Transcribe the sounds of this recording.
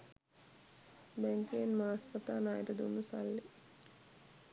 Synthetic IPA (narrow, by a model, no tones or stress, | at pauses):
bɛŋkijenmaːaspət̪aːnaːjɾɐd̪unːusa̰lːe